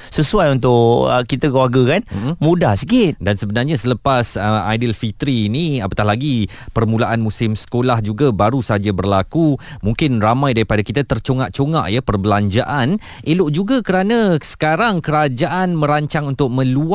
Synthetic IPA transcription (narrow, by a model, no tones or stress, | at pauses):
səsuajunt̪ʊʔə̰kit̪akəluarɡakan̩mũdahsə̥kɪdansəbənarɲasələpasəma̰jdəlfit̪ɾiːniapət̪aɦlaɡi | pərmũlaʔanmũsɪmsə̥kolahd͡ʒuɡabaɾusad͡ʒabərlakumuŋkɪnramãjdaɾipadakit̪at̪ərt͡ʃoŋaʔt͡ʃoŋa̰ʔjapərbəlaɲd͡ʒaʔan | ʔelʊʔd͡ʒuɡakəɾanãsə̥kaɾaŋkəɾad͡ʒaʔanmə̃ɾaɲt͡ʃaŋunt̪ʊk̚mə̃lu